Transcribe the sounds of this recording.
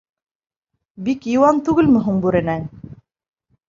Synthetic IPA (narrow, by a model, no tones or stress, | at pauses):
bikjɤ̆wɑnt̪ʉɡɘlmɵ̆ɦuɴbʉɾɘ̆næn